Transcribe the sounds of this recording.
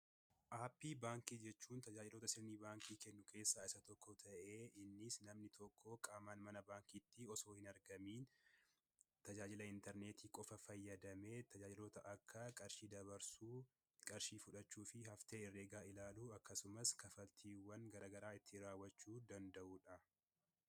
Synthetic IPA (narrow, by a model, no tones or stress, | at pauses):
ʔaːpːiːbaːŋkiːd͡ʒɛt͡ʃːuːnt̪ɐd͡ʒaːd͡ʒɪloːt̪ɐsɪɾniːbaːŋkiːkɛnːʊkʰe̞ːsːaːɪsɐt̪ɔkːɔt̪ʰɐʔeːɪnːɪsnɐmnɪt̪ʰɔkʰːokʼaːmaːnmɐnɐbaːŋkit̪ːɪɔso̞ːhɪnɐɾɡɐmiːn | t̪ɐd͡ʒaːd͡ʒɪlɐɪnt̪ɛɾneːt̪iːkʼɔfɐfɐjːɐd̪ɐmeːt̪ɐd͡ʒaːd͡ʒɪlo̞ːt̪ɐʔɐkʰːɐkʼɐɾʃiːd̪ɐβɐɾsuː | kʼɐɾʃiːfʊᶑɐt͡ʃːuːfɪhɐft̪eːɪrːeːɡaːɪlaːluːɐkːɐsʊmɐskɐfɐlt̪ʰiːwːɐŋɡɐɾaːɡɐɾaːɪt̪ʰːɪɾaːwːɐt͡ʃːuːd̪ɐnd̪ɐʔuːᶑɐ